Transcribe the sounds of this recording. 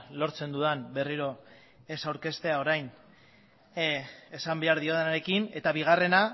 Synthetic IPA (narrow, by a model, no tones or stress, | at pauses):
lo̞ɾt͡se̞nd̪uðanbe̞riɾo̞ | e̞sawɾke̞st̪e̞ao̞ɾajn | e̞sambe̞aɾðio̞ðenaɾe̞kine̞t̪aβiɣ̞are̞na